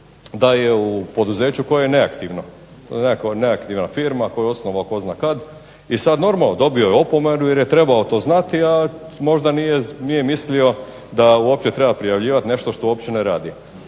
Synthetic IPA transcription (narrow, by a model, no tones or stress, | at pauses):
d̪ajeupo̞d̪uze̞ːt͡ɕuko̞jajene̞akt̪iʋno | ekneakt̪iʋnafiɾmako̞jeo̞snoʋaoko̞znaːkad̪ | isad̪no̞ɾmalod̪o̞biojeopo̞me̞nujeɾjet̪ɾe̞baot̪o̞ːznat̪iamo̞ʒd̪anijenijemislio̞ | d̪auo̞pt͡ɕet̪ɾe̞bapɾijaʋʎiːʋat̪ne̞ʃt̪oʃt̪ouopt͡ɕeneɾaːd̪i